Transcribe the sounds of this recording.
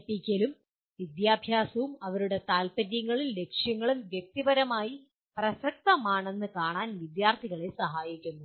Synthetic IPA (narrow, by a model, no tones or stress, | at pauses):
pikʲːɐlum | ʋid̪jaːbʱjaːsɐʋumɐʋɐɾuɽe̞t̪aːlpɐɾjɐŋːɐɭille̞kʂjɐŋːɐɭumʋjek̚t̪ibɐɾɐmaːji | prɐsɐk̚t̪ɐmaːɳe̞nːɨkaːɳaːnʋid̪jaːrt̪ʰiɣɐɭesɐɦaːjikʲːunːu